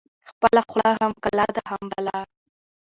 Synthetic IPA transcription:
xpəlaxlaɦamkalad̪ahambala

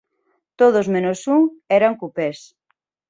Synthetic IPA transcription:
t̪oðozmẽnosuŋɛɾaŋkupes

